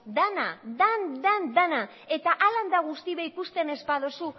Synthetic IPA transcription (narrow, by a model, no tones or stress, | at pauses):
d̪anad̪and̪and̪ana | e̞t̪aʔaland̪aɣust̪iβeikust̪ene̞spað̞osu